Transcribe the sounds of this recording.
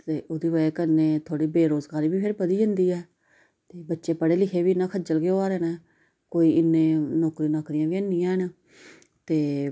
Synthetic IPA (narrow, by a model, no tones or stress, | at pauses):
t̪eːʔoːd̪iːʋəeːkənːeːt̪ʰoːɽiːbeːɾoːzɡaːɾiːbiːpʰɪɾbəd̪iːd͡ʒənd̪iːɛː | t̪eːbətːʃeːpəɽeːlɪkʰeːʋiːnãːkʰəd͡ʒəlɡeoːaːɾeːnɛː | koːiːʔɪnːẽːnoːkɾiːnaːkɾɪjãːʋiːnːɪjãːn | t̪eː